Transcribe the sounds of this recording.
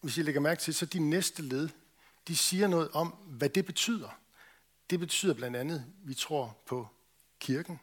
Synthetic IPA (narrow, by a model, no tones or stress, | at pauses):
ʋe̝sjileɡ̥ɐmæɐɡ̥̚t͡sʰe̝lsɒ̽d̥inesd̥əle̝ð̞ˠ | d̥isiːɐnɔ̽ːð̩ˠɒ̽m̰ʋæd̥e̝b̥e̝t͡sʰy̰ːð̞̰ˠɐ | d̥e̝b̥e̝t͡sʰy̰ːð̰ˠɐblænd̥ænð̞̩ˠʋit͡sʰʁo̝ɐ̰pʰɒ̽ | kʰiɐɡ̥n̩